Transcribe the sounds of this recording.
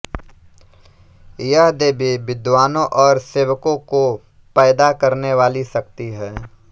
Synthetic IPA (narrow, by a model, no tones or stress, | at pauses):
jəɦd̪eːbʱiʋɪd̪ʋaːnõʔɔːɾseːʋəkõko | pɛːd̪akɐɾneʋaːlisɐk̚t̪iɦɛː